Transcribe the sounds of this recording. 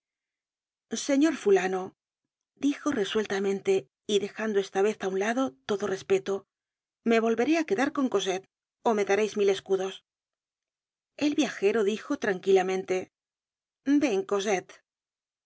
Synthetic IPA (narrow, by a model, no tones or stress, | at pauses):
se̞ɲo̞ɾfulano̞ | d̪ixo̞re̞swe̞lt̪amẽ̞nt̪e̞ | iðe̞xand̪oe̞st̪aβe̞θaunlaðo̞t̪o̞ðo̞re̞spe̞t̪o | me̞β̞o̞lβe̞ɾe̞ake̞ðaɾko̞ŋko̞set̪̚ | o̞me̞ðaɾejzmile̞skuðo̞s | e̞lβjaxe̞ɾo̞ðixo̞t̪ɾaŋkilamẽ̞nt̪e̞ | be̞ŋko̞s̬e̞t̪